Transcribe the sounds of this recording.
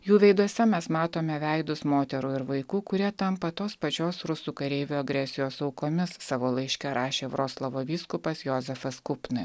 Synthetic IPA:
juːʋʲɛɪd̪uɔsʲɛmʲɛsmɑːt̪oːmʲɛʋʲæɪd̪ʊsmoːt̪ʲɛɾuːɪɾʋɐɪkuːkʊɾʲiɛt̪ɐmpɐt̪oːspɐt͡ʃʲoːsɾʊsuːkɐɾʲeɪʋʲoɐɡɾʲɛsʲɪjoːsɐʊkoːmʲɪssɑːʋoːlˠɐɪʃʲkʲɛɾɑːʃʲeːʋɾoːslˠɐʋoːʋʲiːskʊpɐsjoːzʲɛfɐskʊpnɨ

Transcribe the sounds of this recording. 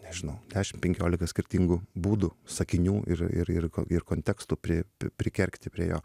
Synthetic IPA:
nʲɛʒʲɪnɐʊd̪ʲæːʃʲɪmpʲɛŋʲkʲoːlʲɪkɐsʲkʲɪɾʲt̪ʲiːŋɡʊbuːd̪ʊsɐkʲɪnʲuːʔɪ̰ɾɪ̰ɾɪ̰rko̰ɪrkoːnʲt̪ʲɛkst̪uːpʲɾʲɪpʲɾʲɪkʲɛɾʲkt̪ʲɪpʲɾʲiɛjoː

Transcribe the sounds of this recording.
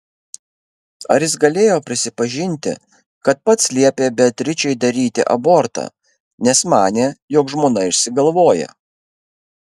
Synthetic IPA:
ɐɾjɪs̬ɡɐlʲeːjoːpʲɾʲɪsʲɪpɐʒʲɪnʲt̪ʲɪ̰ | kɐt̪̚pɐt̪slʲiɛpʲeːbʲɛt̪ʲɾʲɪt͡ʃʲɛɪd̪ɐɾʲiːt̪ʲɪʔɐ̰boːɾt̪ɑ̰ː | nʲɛsmɑːnʲeːjoːkʒmoːnɐɪʃʲsʲɪɡɐlˠʋoːjɛ̰

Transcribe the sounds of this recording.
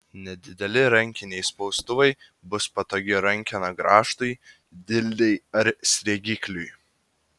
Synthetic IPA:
nʲɛd̪ʲɪd̪ʲɛlʲɪɾɐŋʲˑkʲɪnʲɛɪspɒʊst̪ʊʋɐɪ | bʊspɐt̪oːɡʲɪɾɐŋʲkʲɪnɐɡɾʔɑːʃt̪ɐɪ | d̪ʲɪlʲd̪ʲɛɪɐɾsʲɾʲɛːɡʲɪkʲlʲʊj

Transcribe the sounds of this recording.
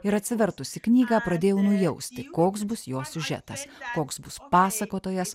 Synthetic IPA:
ɪɾɐt̪ʲsʲɪʋʲɛɾt̪ʊsʲɪknʲiːɡɑːpɾɐd̪ʲeːjɛʊnʊjɛʊsʲt̪ʲɪkoːksbʊsjoːsʲʊʒʲɛ̰t̪ɐskoːksbʊspɑːsɐkoːt̪oːjɛs

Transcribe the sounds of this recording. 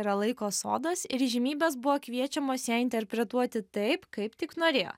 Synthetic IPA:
ɾɐlˠɐɪkoːso̰ːd̪ɐsɪɾʒʲɪmʲiːbʲɛːs̬bʊʋoːkʋʲiɛt͡ʃʲɛmoːsjɛɪnʲt̪ʲɛɾʲpʲɾʲɛt̪uɔt̪ʲɪt̪ɐɪpkɐɪpt̪ʲɪknoːɾʲeːjo̰ː

